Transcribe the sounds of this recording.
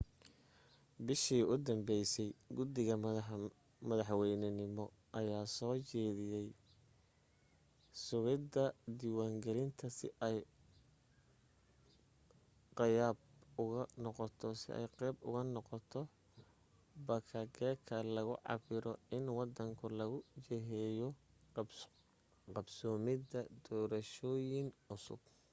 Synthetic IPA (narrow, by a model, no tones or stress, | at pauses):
bɪʃiːʔʊd̪ɐmbɛjsɛjɡʊd̪ɪɣɐ | mɐðɐħwɛjnɐnɪmɔ | ʔɐjaːsɔːt͡ʃɛːðɪjɛj | sʊɣɪd̪ɐd̪iwaːŋɡɛlɪnt̪ʰɐsɪ̰ʔɛj | qɪjaːb̚ʊɣɐnɔqɔt̪ʰɔsɪ̰ʔɛ̰jqɛjbʊ̰ɣɐnɔqɔt̪ʰɔ | bɐkʰɐɡɛːkʰɐlɐɣʊʕɑ̰bɪɾɔɪnwɑd̪ɐŋkʰʊlɐɣʊt͡ʃɛɦɛːjɔ | qɑbsɔːmɪdɐd̪ɔːɾɐʃɔːjɪŋʊsʊ̰b̥̚